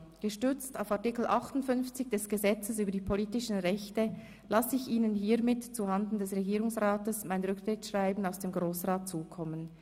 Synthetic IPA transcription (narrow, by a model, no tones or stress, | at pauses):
ɡ̥əʃtʏʁt͡staʊfaɐtikl̩ʔɑχtʊntfʏnft͡sɪçd̥ɛsɡ̥əzɛt͡səsyːbədiːpʰoliːtɪʃn̩ʁɛçtə | lasɪçiːnənɦiːɐmɪtt͡suɦandn̩dɛsʁeɡiːʁʊŋsʁaːtəsmaɪnʁʏktʁ̥ɪtʃʁaɪbn̩aʊsd̥eːmɡʁoːsʁaːt̚t͡suːkʰɔmən